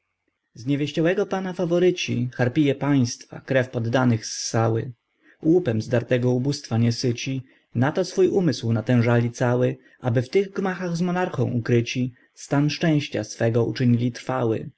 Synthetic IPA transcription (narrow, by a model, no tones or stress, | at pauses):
zɲɛvʲjeɕt͡ɕɔwɛɡɔpanafavɔɾɘt͡ɕixaɾpʲijɛpaj̃st̪fa̰kɾɛfpɔd̪ːanɘxsːawɘ | wupɛmzd̪aɾt̪ɛɡɔubust̪faɲɛsɘt͡ɕi | nat̪ɔsfujumɘswnat̪ɛ̃w̃ʐalʲit̪sawɘ | ʔabɘft̪ɘɣɡmaxaɣzmɔnaɾxɔ̰̃w̃ukɾɘt͡ɕi | st̪anʂt͡ʂɛ̃w̃ɕt͡ɕa̰sfɛɡɔṵt͡ʂɘɲilʲit̪ɾfawɘ̰